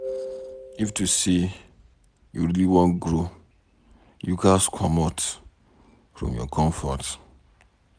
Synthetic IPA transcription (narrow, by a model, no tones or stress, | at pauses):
iftusi | juɹiliwɔ̃nɡɾo | jukaskʰɔmɔt | fɹɔ̰̃mjɔ̰kʰɔ̃ɱfɔt